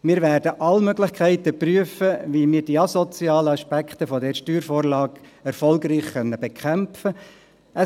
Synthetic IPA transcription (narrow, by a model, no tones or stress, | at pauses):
miːɾʋæːɾdəʔɑlmøɡlɪχkʰæɪtəpryəfəʋimiːɾd̥iːɑsɔt͡siɑːləɑʃpækχt̪əfɔdɛːɾʃtyːɾfoːɾlɑːɡ | ɛɾfɔlɡriːχχœnːəbekʰæmfə | ə